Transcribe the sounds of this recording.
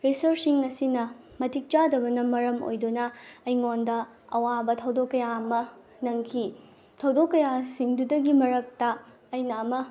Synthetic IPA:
ɾisɐɾsiŋɐsinɐ | mɐtʰik̚t͡ʃadɐbɐnɐmɐɾɐmo̰jdonɐːjŋondɐ | ɐwabɐtʰɐwdokːɐjaɐmɐ | nɐŋkʰi | tʰɐwdokːɐjasiŋdudɐɡimɐɾɐk̚tɐː | jnɐːmɐ

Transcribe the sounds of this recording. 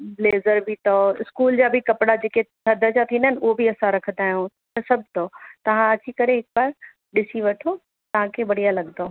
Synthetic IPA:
bleːzəɾbɪt̪ɔɪskuːld͡ʑaːbɪkɐpɽad͡ʑeːket̪ʰɐd̪ʱəd͡ʑat̪ʰiːnd̪nʊɦobiɐsãɾɐkʰənd̪aːɦijũ | t̪ɐsɐbʱt̪ɔːt̪ɐʋ̤ãɐt͡ɕikɐɾeɦɪk̚baːɾ | ɗɪsiʋɐʈʰo | t̪ɐʋ̤ãkʰebɐɽijalɐɠd̪oː

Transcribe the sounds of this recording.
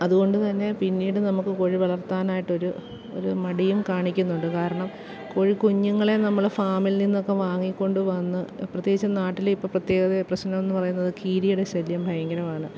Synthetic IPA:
ɐðuɣo̞ɳɖut̪ɐnːe̞pinːiːɽɨnɐmukːɨkoɻiʋɐɭɐrt̪aːnaːjiʈːo̞ɾu | o̞̰ɾumɐɽijumkaːɳikʲːunːuɳɖɨkaːɾɐɳɐm | koɻikuɲːuŋːɐɭe̞nɐmːɐɭfaːmilninːo̞kːe̞ʋaːŋːikʲːo̞ɳɖuʋɐnːɨprɐt̪jeit͡ɕːɐnaːʈːilipːoprɐt̪jeːɣɐðeprɐɕnɐmenːɨpɐrɐjunːɐðɨkʰiːɾijuɽeɕɐljɐmbʱɐjɐŋɡɐɾɐmaːɳɨ

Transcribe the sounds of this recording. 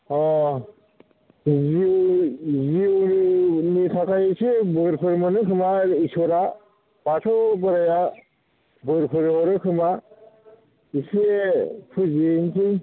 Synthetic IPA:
ɔ | ziwziwɾinitʰakʰajsibɯɾpʰɯɾmɯnɯkʰɯmaisɔɾa | b̥atʰɔbɯɾaja | bɯɾpʰɯɾɦɔɾɯkʰɯma | isepʰɯzinsʰij

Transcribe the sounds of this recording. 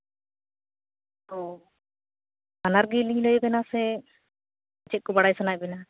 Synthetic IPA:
ɔ | anaɾɡiliɲləjbɛnasɛ | at͡ʃɛt̪̚kɔbaɽajsanaj̚bɛna

